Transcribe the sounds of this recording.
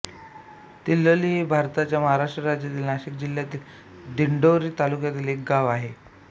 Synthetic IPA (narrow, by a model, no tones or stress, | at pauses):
t̪ilːəliɦibʱaɾt̪at͡ɕjaməɦaɾaʂʈɾəɾad͡ʑjat̪iːlnaɕik̚d͡ʑiljat̪iːl | d̪iɳɖoɾiːt̪alukjat̪iːlek̚ɡaʋaɦe